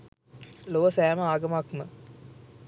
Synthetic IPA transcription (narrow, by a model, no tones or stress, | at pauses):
loʋəsæːməaːɡəmakmə